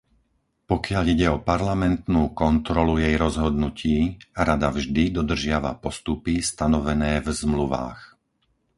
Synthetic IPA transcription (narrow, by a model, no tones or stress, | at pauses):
pɔkɪaʎiɟɛɔpaɾlamɛnt̪nuːkɔnt̪ɾɔlujɛjɾɔzɦɔd̪nuciːɾad̪avʒd̪id̪ɔd̪r̩ʒɪaʋa̰pɔst̪upist̪anɔʋɛnɛːvzmluʋa̰ːx